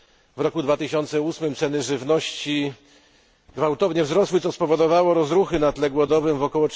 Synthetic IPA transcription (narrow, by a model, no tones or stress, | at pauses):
vɾɔkud̪vat̪ɘɕɔnt̪sɛusmɘmt̪sɛnɘʐɘvnɔɕt͡ɕi | ɡvawt̪ɔvɲɛvzɾɔswɘt̪sɔspɔvɔd̪ɔvawɔɾɔzɾuxɘnat̪lɛɡwɔd̪ɔvɘmvɔkɔwɔ